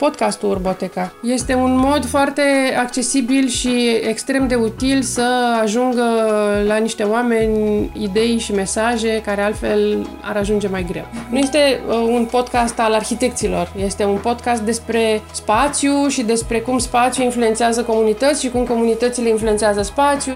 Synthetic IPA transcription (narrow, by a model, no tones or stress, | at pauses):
po̞d̪kast̪uurbot̪e̞kaje̞st̪e̞unmo̞d̪foart̪e̞akt͡ʃe̞sibilʃiekst̪ɾe̞md̪e̞ut̪ilsəaʒuŋɡəlaniʃt̪e̞owame̞nʲid̪e̞jʃime̞saʒe̞kaɾe̞alt̪fe̞l | a̰ɾaʒund͡ʒe̞majɡɾe̞̰wnuje̞st̪e̞unpo̞d̪kast̪alarçit̪e̞kt̪silo̞rje̞st̪e̞unpo̞d̪kast̪̚d̪e̞spɾe̞spat̪sjuʃid̪e̞spɾe̞kumspat̪sjuinfluet̪seazəko̞munit̪ət̪sʲʃikumko̞munit̪ət̪sile̞influent̪seazəspat̪sʲju